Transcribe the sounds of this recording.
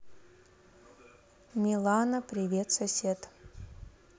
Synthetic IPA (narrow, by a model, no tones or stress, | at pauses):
mʲilˠanɐpɾʲivʲet̪sɐsʲet̪